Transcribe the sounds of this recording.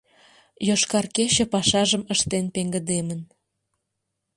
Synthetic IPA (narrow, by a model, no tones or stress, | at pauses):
joʃkɑrket͡ɕə̆pɑʃɑʒəməʃt̪enpeŋɡəd̪emən